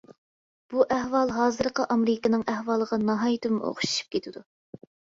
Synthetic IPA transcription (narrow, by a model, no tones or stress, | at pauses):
b̥uʔæhwɑlˠɦɑːzɨɾqəʔɑmɾɪkɪnɨŋæhwɑlˠəʁɑnɑɦɑːjit̪ɨvmo̰χʊ̥ʃu̥ʃu̥p̚kʲʰet̪ʰɪd̪u